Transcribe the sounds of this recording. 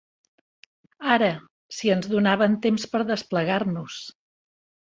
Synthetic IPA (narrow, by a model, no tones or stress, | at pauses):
aɾə | siənzðunaβənt̪emspəɾðəspləɣarnus